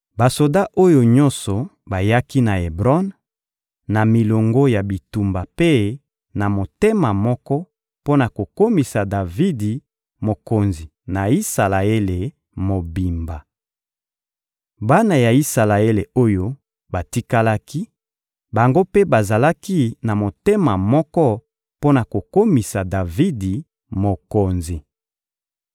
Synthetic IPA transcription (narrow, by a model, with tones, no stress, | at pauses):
ba˨so˨da˦ʔo˦jo˨ɲɔ̃˦nsɔ˨ | ba˨ja˦ki˦na˨e˨bʁɔ˦n | na˨mi˨lo˨ŋɡo˦ja˨bi˨tu˨mba˨pe˦ | na˨mo˨te˦ma˨mɔ˦kɔ˦ | po˦na˨ko˨ko˦mi˨sa˨da˨vi˦di˨ | mo˨ko˨nzi˨ | na˨i˦sa˨la˨e˦le˨ | mo˨bi˨mba˨ | ba˦na˨ja˨i˦sa˨la˨e˦le˨o˦jo˦ | ba˨ti˦ka˦la˦ki˦ | ba˨ŋɡo˦pe˦ba˨za˨la˦ki˦na˨mo˨te˦ma˨mɔ˦kɔ˦ | po˦na˨ko˨ko˦mi˨sa˨da˨vi˦di˨ | mo˨ko˨nzi˨